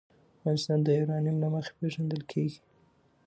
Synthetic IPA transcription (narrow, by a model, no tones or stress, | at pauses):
avɣɑnɪst̪ɑnd̪əɪɾɑnjumlaməxe̥peʒand̪əlkʰeɡi̥